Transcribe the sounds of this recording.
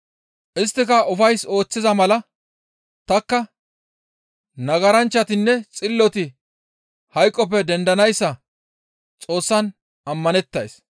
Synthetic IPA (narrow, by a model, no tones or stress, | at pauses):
ʔɪst̪ːɪkɐʊfɐjso̞ːt͡sːɪzɐmɐlɐ | t̪ɐkːɐ | nɐɡɐɾɐnt͡ʃːɐt̪ɪnːɛt͡sʼɪlːɔt̪ɪ | hɐjkʼːɔp̬ːɛd̪ɛnd̪ɐnɐjsːɐ | t͡sʼo̞ːsːɐn | ɐmːɐnɛt̪ːɐjs